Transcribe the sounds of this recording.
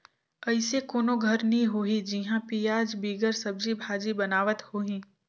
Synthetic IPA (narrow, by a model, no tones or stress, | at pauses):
ɐɪsekoːnoɡʱɐɾnɐɦĩɦoɦid͡ʒiɦãpiːjaːd͡ʒbiːɡəɾsɐb̚d͡ʒibʱaːd͡ʒibɐnaːʋət̪hoːɦĩː